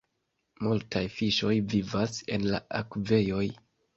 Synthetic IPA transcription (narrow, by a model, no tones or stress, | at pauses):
multʰajfiʃo̞jvivase̞̰nla̰akve̞jo̞j